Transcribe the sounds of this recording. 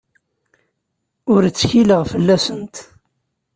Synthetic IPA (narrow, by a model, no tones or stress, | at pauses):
ʊɾt͡sːçiləʁfəlːæsənt̪